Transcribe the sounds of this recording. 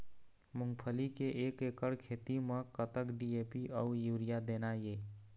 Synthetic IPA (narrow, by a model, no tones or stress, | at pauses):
muŋɡpʰəlikeʔekekəɾkʰet̪imẽkət̪əkɖiepiʔəujuɾijad̪enaje